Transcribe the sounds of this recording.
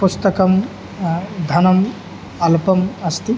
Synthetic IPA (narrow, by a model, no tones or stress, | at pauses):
pust̪ɐkɐm | d̪ʱɐnɐm | ɐlpɐmɐst̪i